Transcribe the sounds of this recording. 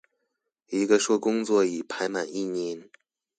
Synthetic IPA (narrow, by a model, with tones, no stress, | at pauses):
i˧˥ɡə˧ʂwɔ˥˩kʊ˥ŋt͡swɔ˥˩i˨˩pʰa˧˥ɪma˨˩ni˥˩ɲi˧˥˦n